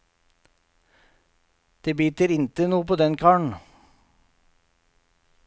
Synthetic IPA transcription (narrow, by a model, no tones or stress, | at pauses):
d̪̥eːbyːt̪əɾɪnt̪ənuːəpoːd̪ɛnkʰɑːɳ̩